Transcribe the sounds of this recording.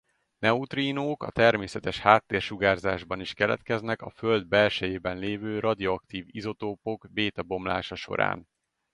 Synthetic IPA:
nɛut̪riːnoːkɒ̰t̪ɛrmeːsɛt̪ɛʃhaːt̪ːeːrʃuɡaːrzaːʒbɒniʃkɛlɛ̰t̪kɛznɛkɒføld̪̚bɛlʃɛjeːbɛnleːvøːrɒd̪ioɒk̚t̪iːvizo̞t̪oːpo̞ɡbeːt̪ɒbo̞mla̰ːʃɒʃo̞̰ɾa̰ːn

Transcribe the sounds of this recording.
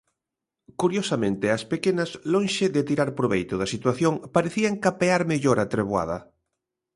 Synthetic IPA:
kuɾjosamẽnt̪ɪɐspekenɐslõŋʃeðet̪iɾaɾpɾoβejt̪ʊðɐsit̪waθjoŋpaɾeθiaŋkapeaɾmeʎoɾat̪ɾeβwa̰ðɐ̰

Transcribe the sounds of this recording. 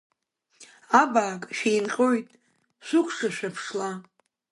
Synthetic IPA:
abaːkʼʃejnqʲʼo̞jtʼ | ʃʷʊkʷʰʂaʃᶣapʰʂla

